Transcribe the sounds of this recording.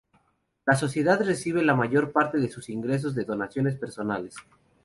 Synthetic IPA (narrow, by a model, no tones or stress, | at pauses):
las̬o̞sje̞ðaðre̞siβ̞e̞lamaʝo̞ɾpaɾt̪e̞ðe̞susiŋɡɾe̞s̬o̞zðe̞ðonasjo̞ne̞s̬pe̞ɾso̞nale̞s